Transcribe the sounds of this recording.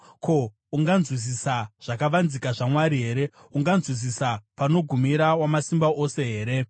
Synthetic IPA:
ko̞ | uŋɡanzwis̬isaʐ̥akaʋanzikaʐamwaɾiɦe̞ːɾe̞ | uŋɡanzwis̬isapano̞ɡʱumiɾawamasimbaʔo̞se̞ɦe̞ːɾe̞

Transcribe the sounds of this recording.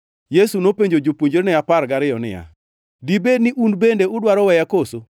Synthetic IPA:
jesunopeɲd͡ʒod͡ʒopuɲd͡ʒeɾnɪapaɾɡaɾɪjɔnɪ̰ja̰ | dibednɪʔunbendeʊdwaɾɔwɛjakoso

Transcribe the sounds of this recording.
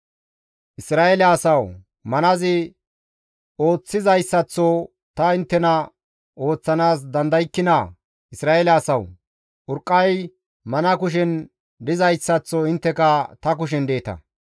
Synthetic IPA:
ʔɪsɾaːelaːsɐw | mɐnɐzɪ | o̞ːt͡sːɪzɐjsːɐt͡sːɔ | t̪ɐɪnt̪ːɛnɐ | o̞ːt͡sːɐnaːs̬d̪ɐnd̪ɐjɪkːɪnɐ | ɪsɾaːelaːsɐw | ʔʊɾkʼːɐj | mɐnɐkʊʃ̬ɛn | d̪ɪzɐjsːɐt͡sːɔɪnt̪ːɛkɐt̪ɐk̬ʊʃ̬ɛnd̪e̞ːt̪ɐ̰

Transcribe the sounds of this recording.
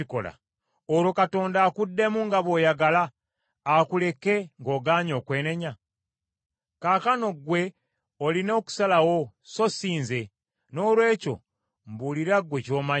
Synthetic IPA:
iko̞̰la̰ | oɾo̞kato̞ːndaːkudːe̞muŋɡaβo̞ːjaɡalaː | kule̞ke̞ŋɡo̞ɡaːɲo̞ːkwe̞ːne̞ɲa | kaːkano̞ɡwe̞ | olino̞ːku̥salawo | so̞siːnze̞ | no̞ːlwe̞ːco̞̰ | mbuliɾaɡwe̞co̞ːma

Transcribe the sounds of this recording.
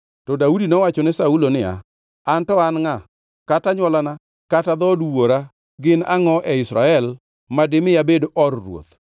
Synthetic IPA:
tɔdaudinɔwat͡ʃɔnɛsaulonɪa̰ | antɔanŋa | kataɲwalana | katad̪ɔdwoɾa | ɡɪna̰ŋɔʔɛɪsɾa̰ɛl | madɪmɪjabedoʔɔrːwo̰t̪

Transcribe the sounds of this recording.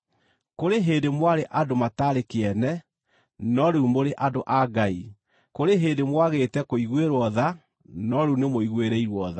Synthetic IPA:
koɾeɦeːndemwaɾeʔadomataːɾekeɛnɛ | nɔɾeumoɾeʔadoʔaɡai | koɾeɦedemwaɣetɛkoiɣweɾwɔða | nɔɾeunemoiɣweɾɛiɾwɔða

